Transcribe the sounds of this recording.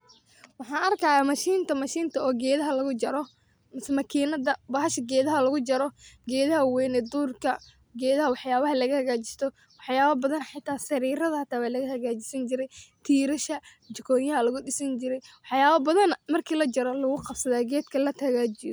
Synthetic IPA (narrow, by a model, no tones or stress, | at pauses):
wɑħɑːnɐrkʰɐːjaːmɐʃiːnt̪ʰɐmɐʃiːnt̪ʰɐɔːɡɛːðɐɦɐlɐɣʊd͡ʒɐɾɔ | mɪsmɐkʰiːnɐdɐbɐɦɐʃɐɡɛːðɐɦɐlɐɣʊd͡ʒɐɾɔɡɛːðɐɦɐwɛnɛd̪uːrkʰɐ | ɡɛːðɐɦɐwɑħjaːβɐɦɐlɐɣɐhɐɣaːt͡ʃɪ̥st̪ʰɔ | wɑħjaːɐbɐðɐnħɪt̪ʰːaːsɐɾiːɾɐðɐhɐt̪ʰaːβaːlɐɣɐhɐɣaːt͡ʃɪ̥sɐnt͡ʃɪɾɛjt̪ʰiːɾɐʃɐ | t͡ʃɪkʰɔːjɐɦɐlɐɣʊɗɪsɐnt͡ʃɪɾɛjwɑħjaːβɐbɐðɐnmɐrkʰiːlɐd͡ʒɐɾɔlɐɣʊqɑbsɐðaːɡɛːd̪kʰɐlɐt̪ʰɐɣaːt͡ʃɪjɔ